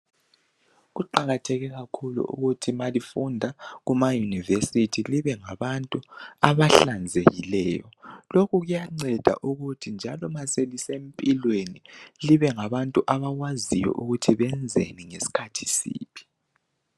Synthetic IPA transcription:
ɣuǃaɣatʰɛɣɛɣakʰulṵʔṵɣutʰimalifundʱaɣumajunivesitʰiliβɛŋaβantʼuaβaɬand͡zʱeɣilɛːjɔ̰lokuɣujaŋ͡ǀɛd̥ʱa̰ʔuɣutʰind͡ʒʱalɔmaselisempʼilweniliβɛŋaβantʼuʔaβaɣwazijɔ̰ʔuɣutʰiβɛnd͡zʱḛniŋesi̥kʰatʰi̥sḭːpʰi̥

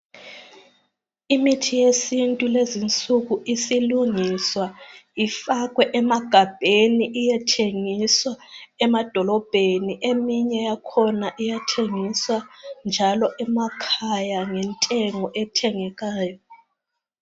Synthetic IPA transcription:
imitʰijesintʼulezint͡sʼuɣuʔisiluŋiswaifaɣwɛʔɛmaɡ̥ʱab̥ʱeniʔijɛtʰeŋiswaɛmad̥ʱɔlɔb̥ʱeniʔemiɲɛjakʰɔnaʔijatʰeŋiswand͡ʒʱalɔʔɛmakʰajaŋɛntʼɛŋɔʔɛtʰɛŋɛɣaːjɔ

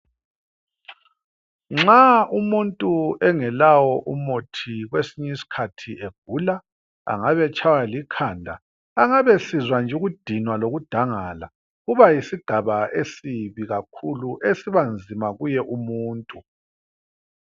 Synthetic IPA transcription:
ŋ͡ǁaumuntʼuɛŋɛlawɔʔumotʰiɣwesiɲisi̥kʰatʰieɡ̥ʱuːla | a̰ŋaβɛt͡ʃʰʼawalikʰaːndʱa̰ː | ŋaβɛsizwand͡ʒʱuɣud̥ʱinwaloɣud̥ʱaŋaːla̰ | ɣuβajisiɡ̥ʱaβaesiβiɣakʰuluʔesiβand͡zʱimaɣujɛʔumuːntʼu

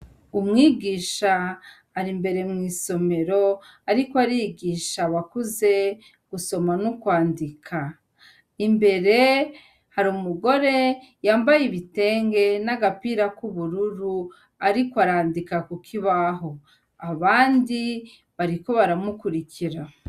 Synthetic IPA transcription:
umŋiːɡiːʃaː | ɾimbe̞ɾe̞mŋiːso̞me̞ɾo̞aɾikoaɾiːɡiːʃaβakuze̞ | ɡ̥uso̞manukwaːndikʰa | imbe̞ɾe̞ | haɾumuɡo̞ɾe̞ | jaːmbajiβite̞ːŋɡe̞naɡapiɾakuβuɾuɾu | aɾikoaɾaːndikakukʰiβaɦo̞ | aβaːndi | βaɾiko̞βaɾamukuɾikiɾa

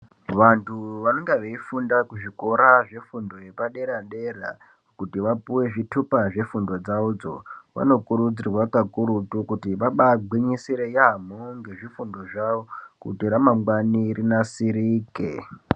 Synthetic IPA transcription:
ʋantʰuʋano̞ŋɡeʋeifundakuʐiko̞ɾaʐe̞fundo̞je̞paɗe̞ɾanɗera̰ | kutiʋapuwe̞ʐitʰupaʐe̞fundo̞d͡zaud͡zo̞̰ʋa̰no̞kuɾud͡zirwakakuɾutukutiʋaɓaɡʱwiɲisiɾejam̤oŋɡe̞ʐifundo̞ʐaʋokṵtiɾamamɡwanirinasiɾiːkḛ

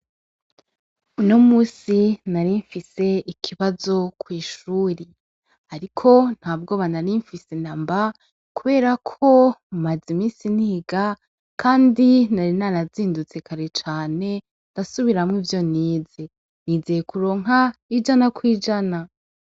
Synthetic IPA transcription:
uno̞muːsinaɾiɱfise̞ikʰiβazo̞kwiːʃuːɾe | haɾikʰo̞n̥haːb̚ɡoːβanaɾiɱfisenamba | kuβe̞ːɾakʰo̞mazimiːsiniːɡa | kʰaːndinaɾinanaziːndut͡se̞kaɾe̞t͡ʃaːne̞ | ndasuβiɾamŋivjo̞niːze | nizejekuɾo̞ːŋɦaid͡ʒanakwiːd͡ʒana

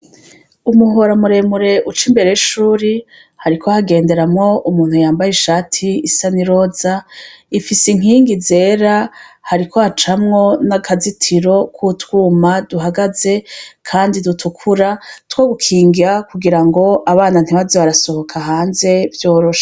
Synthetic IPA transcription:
umuɦoɾamuɾe̞muɾe̞ʔut͡ʃimbe̞ɾejiʃuːɾi | haɾikʰo̞haɡe̞ːnde̞ɾamŋo̞umuːn̥hujaːmbajeʃaːtʰiːsaniɾo̞ːzaifisiŋ̥iːŋɡize̞ːɾahaɾikʰohat͡ʃamŋo̞nakʰazitʰiɾo̞kʰutwuːmaduɦaɡaze̞kʰaːndidutʰukʰuɾatwoːβukʰiːŋɡiakuɡiɾaŋɡo̞ʔaβaːnan̥iβazeβaɾaso̞ho̞kʰaɦaːnze̞vjoːɾoʃḁ

